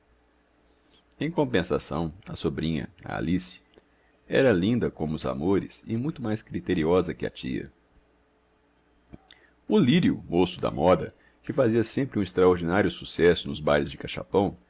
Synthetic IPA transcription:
ẽj̃kõpẽsa̰sɐ̰̃w̃ɐsobɾĩɲɐ̰ɐ̰a̰lis | ɛ̰ɾɐlĩnd̪ɐkõmʊːza̰moɾɪ̰sɪmũj̃t̪ʊmajskɾit̪eɾiɔzɐkɪɐ̰t͡ʃḭɐ̰ | ʊliɾiʊ̰mosʊd̪ɐ̰mɔd̪ɐ | kɪfaziɐsẽmpɾɪũɪst̪ɾaoɾd͡ʒinaɾjʊsusɛsʊnʊzbajlɪzd͡ʒɪkaʃa̰pɐ̃w̃

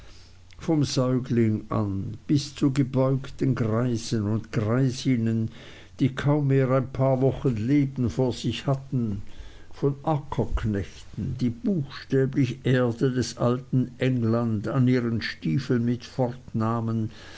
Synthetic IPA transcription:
fɔmzɔʏɡlɪŋʔa̰nb̥ɪst͡suɡəbɔʏktənɡʁaɪzənʊntɡ̥ʁaɪzɪnən | d̥iːkʰaʊmːeːʁaɪnpʰaːɐvɔxənleːbən̩foːɐz̥ɪçhatn̩ | fɔnʔakʰɐkʰnɛçtn̩diːb̥uːxʃtɛːblɪçəʔeːɐdədɛsʔaltn̩ʔɛŋlandaniːʁənʃtiːfl̩nmɪtfɔʁtnaːmən

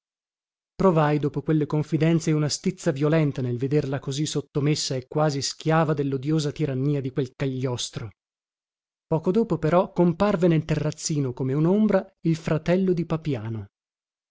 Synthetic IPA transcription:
pɾovajd̪oːpokwelːekoɱfid̪ɛnt̪seunast̪it̪sːavjolɛnt̪anelved̪erlakozisot̪ːomesːaekːwaːziskʲjaːvad̪elːod̪joːzat̪iɾanːiːad̪ikwelkaʎːɔst̪ɾo | pɔːkod̪oːpopeɾɔkːomparvenelt̪erːat̪sːiːnokomeunombɾailfɾat̪ɛlːod̪ipapjaːno

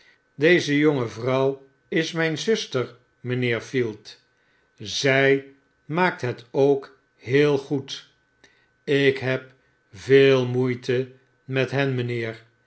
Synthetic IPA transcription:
dejzəjoŋəvrʌw | ɪsmɛjnzʏstəɹ | mənɪːɹfilˠt | zɛj | maːk̚tɦɛtowk | hɦɪːlˠχut | ɪkɦɛp | vɪːlˠmujtə | mɛtɦɛnmənɪːɹ

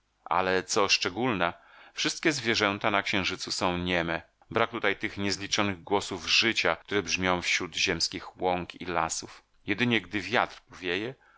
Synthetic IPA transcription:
ʔa̰lɛt̪sɔʂt͡ʂɛɡulnɛfʂɘst̪̚kʲɛzvʲjɛʐɛnt̪anakɕɛ̃w̃ʐɘt̪susɔ̃w̃ɲɛmɛ | bɾak̚t̪ut̪ajt̪ɘxɲɛzlʲit͡ʂɔnɘɣɡwɔsuvʐɘt͡ɕakt̪uɾɛbʐmʲjɔ̃w̃fɕɾud̪ʑɛmskʲixwɔŋkḭla̰suf | jɛd̪ɘɲɛɡd̪ɘvʲjat̪rpɔvʲjejɛ

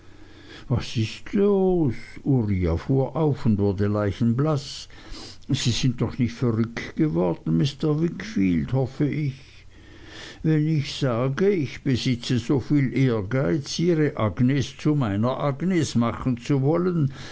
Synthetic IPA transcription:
vasɪstʰloːsuʁia̰fuːɐʔaʊfʊndvʊɐdəlaɪçn̩blas | z̥iːz̥ɪnt̚d̥ɔχnɪçtfɛʁʏktɡ̥əvɔɐd̥n̩mɪstəvɪkfiːldhɔfəʔɪç | vɛnɪçz̥aːɡəɪçb̥əzɪt͡səzoːfiːlʔeːɐɡaɪt͡siːʁəʔaɡnest͡sumaɪnɐʔaɡnesmaχn̩t͡suvɔlən

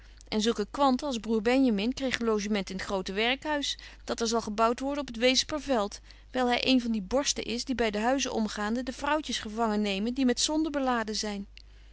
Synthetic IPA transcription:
ʔɛnzɵlˠkəkʋɑntəɑlˠzbruːɹbɛnjamɪnkrejχlowʒəmɛntɪnətχrowtəʋɛɹkɦœɥsd̥ɑtɛɹzɑlˠχəbʌwtʋɔɹdənɔpətʋejzəpəɹvɛlˠt | ʋɛjlˠɦɛjʔejnvɑndibɔɹstə̰ʔɪsdibɛjdəɦœɥzəʔɔ̰mχaːndədəvrʌwcəsχəvɑŋənejməndimɛtsɔndəbəlaːdəzɛjn

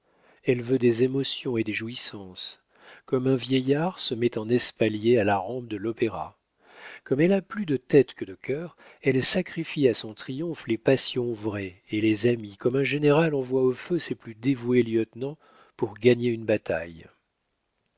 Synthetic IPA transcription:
ɛlvød̪ezemɔsjɔ̃ed̪eʒuisɑ̃s | kɔmɛ̃vjɛjaʁsəmɛt̪ɑ̃nɛspaljealaʁɑ̃p̚d̪əlɔpeʁa̰ | kɔmɛlaplyd̪ət̪ɛt̪kəd̪əkʲʰœʁɛlsakχifiasɔ̃t̪χijɔ̃flepasjɔ̃vʁɛelezamikɔmɛ̃ʒeneʁalɑ̃vwaoføseplyd̪evueljœt̪nɑ̃ | puʁɡaɲeynbat̪a̰j

